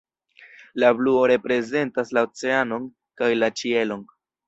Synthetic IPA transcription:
labluo̞ɾe̞pɾe̞ze̞ntaslaot͡se̞ano̞n | kajlat͡ʃie̞lo̞n

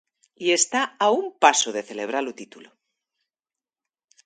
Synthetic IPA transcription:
ie̞st̪aaumpasoð̞e̞θe̞le̞β̞ɾalut̪it̪ulo

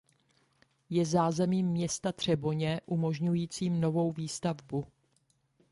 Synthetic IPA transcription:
jɛzaːzɛmiːmːɲɛst̪at̪r̝̥ɛbo̞ɲɛʔumo̞ʒɲujiːt͡siːmno̞vo̞wviːst̪avbu

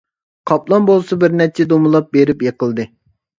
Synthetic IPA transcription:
qʰɑplˠɑnbolˠsɑbɪɾnɛt͡ʃʰːɛd̪omulˠɑp̚beɾɪpjeqəlˠd̪ɨ

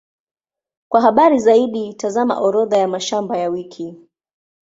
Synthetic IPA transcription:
kwaɦaɓaɾizaiɗitazama̰ʔɔɾɔðajamaʃambajawikʰi

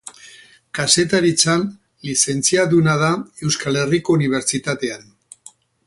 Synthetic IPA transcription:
kase̞t̪aɾit͡san | lise̞nt͡siaðunað̞ae̞wskale̞riko̞uniβ̞e̞ɾt͡ʃit̪at̪e̞an

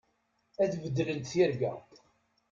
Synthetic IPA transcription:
æθvəd̪ːlənt̪θiɾɡæ̰

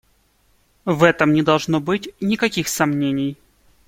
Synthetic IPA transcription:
vɛt̪əmnʲɪd̪ɐlˠʐnobɨtʲnʲɪkɐkʲixsɐmnʲenʲɪj

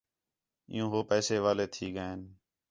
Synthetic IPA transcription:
ɪ̰jũːɦoːpɛːseːʋaːleːt̪ʰiːɡəeːn

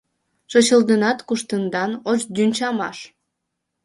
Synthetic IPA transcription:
ʃot͡ɕəld̪ənɑt̪kuʃt̪ənd̪ɑnot͡ɕd̪ynʲt͡ɕɑmɑʃ

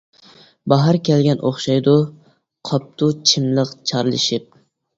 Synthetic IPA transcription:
bɑɦɑɾkʲʰɛlɡʲɛnʔoχʃɑjd̪ʊ | qʰɑp̚t̪ʰut͡ʃʰɪmlˠɨqt͡ʃʰɑɾlˠɨ̰ʃɪp̚

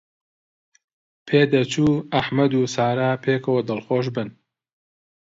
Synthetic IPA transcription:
pʰeːd̪ɐt͡ʃʰuːaħmɐd̪uːsaːɾaːpʰeːkowd̪ɐlxoːʃ̬bɨn

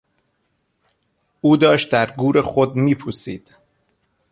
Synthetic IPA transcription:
ʔuːd̪ɒːʃt̪̚d̪æɾɡuːɾexod̪miːpʰusḭːd̪̥

